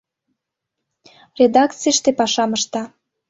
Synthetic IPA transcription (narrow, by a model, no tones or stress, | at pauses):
rʲed̪ɑkt͡sijʃt̪epɑʃɑməʃt̪ɑ